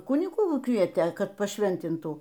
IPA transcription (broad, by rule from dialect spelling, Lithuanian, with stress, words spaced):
ˈkʊnʲɪɡuː ˈkʋʲiɛtʲeː ˈkɐt pɐˈʃʲʋʲɛnʲtʲɪntuː